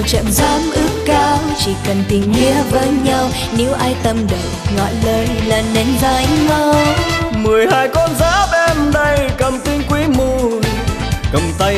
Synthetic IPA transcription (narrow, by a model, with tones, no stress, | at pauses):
wt͡ɕə̰˧˨mzaː˨˦mʔɨ˦˥ək̚kaː˧wt͡ɕi˧˩kə˨˩nt̪ï˨˩ŋ̟zi˧əvəː˨˦jɲa˧w | ne˨˦wʔaː˧jt̪ə˧mɗə˨˩wŋɔ̰˧˨jləː˧jlaː˨˩nne˨˦nzaː˧˦jŋɔ˧wmɨ˨˩əjhaː˧jkɔ˧nzaː˨˦ɓɛ˧mɗə˧jkə˨˩mt̪i˧nkwi˨˦mu˧˨˩n | ə˨˩ŋ͡mt̪ə˧